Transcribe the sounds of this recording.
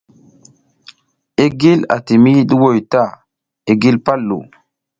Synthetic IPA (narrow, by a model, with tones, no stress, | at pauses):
e˦ɡi˦la̰˨ti˨mi˦ɗu˦wo˨jta˦˨ | e˦ɡi˦lpa˦lːṵ˨